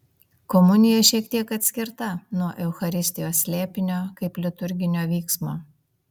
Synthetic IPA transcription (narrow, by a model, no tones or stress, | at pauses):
kɔmʊnʲɪjɛʃʲiɛkt̪ʲiɛkɐt̪ʲsʲkʲɪɾt̪ɐnuɔʔɛʊxɐɾʲɪsʲt̪ʲɪjoːsʲsʲlʲæːpʲɪnʲoːkɐɪplʲɪt̪ʊɾʲɡʲɪnʲoːʋʲiːksmoː